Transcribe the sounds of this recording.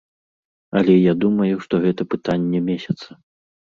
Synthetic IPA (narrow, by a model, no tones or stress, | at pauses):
ɐlʲɛjad̪umɐjuʂt̪ɔɣɛt̪ɐpɨt̪anʲːɛmʲesʲɐt̪sɐ